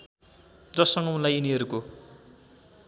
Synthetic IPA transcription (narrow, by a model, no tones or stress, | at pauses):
d͡zʌsʌŋɡʌunlajuniɦʌɾuko